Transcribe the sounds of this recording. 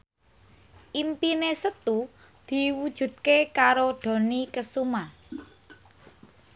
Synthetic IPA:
ʔimpinesət̪u | d̪̥i̤wud̥ʒ̥ṳd̪̚kekaɾoɖ̪̥o̤nikəsuma

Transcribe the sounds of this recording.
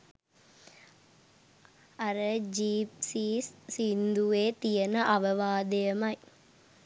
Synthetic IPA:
ɐɾɐd͡ʒiːp̚siːsːind̪uʋeːt̪ijɐnɐʔɐʋɐʋaːd̪ejɐmɐj

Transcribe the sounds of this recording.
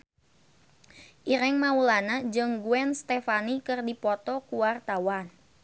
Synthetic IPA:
ʔiɾɛŋmaulanad͡ʒɨŋɡuɛnst̪ɛfanikɨrdipɔt̪ɔkuwart̪awan

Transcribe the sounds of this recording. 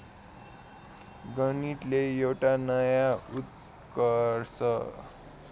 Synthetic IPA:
ɡʌniʈlejewʈanʌjaut̪ | kʌɾsʌ

